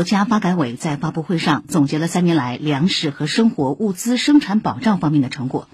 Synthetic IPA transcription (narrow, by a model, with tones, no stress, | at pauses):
t͡ɕja˥fa˥ka˧˥ɪwe˨˩ɪt͡sa˥˩ɪfa˥pu˥˧xwe˥˧ɪʂɑ˥˩ŋt͡sʊ˨˩ŋt͡ɕjɛ˧˥lə˧sa˥njɛ˧˥nla˧˥ɪljɑ˧˥ŋʂɻ̩˨˩xɤ˧˥ʂɤ˥ŋxwɔ˧˥ʔu˥˩t͡sɹ̩˥ʂɤ˥ŋʈ͡ʂʰa˧˥npɑ˨˩ʊʈ͡ʂɑ˥˩ʊfɑ˥ŋmjɛ˥˩nd̪ə˩ʈ͡ʂʰɤ˧˥ŋkwɔ̰˨˩˦